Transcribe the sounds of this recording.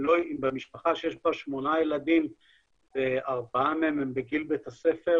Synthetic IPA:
loimbemiʃpaχaʃejeʃbaʃmo̞najelad̪im | b̥eaʁbaameemembeɡilbet̪ase̞fe̞

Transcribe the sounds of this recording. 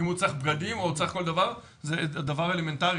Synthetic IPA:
imut͡saχbɡad̪imot͡saχko̞ld̪avaʁ | zed̪avaʁeleme̞nt̪aʁi

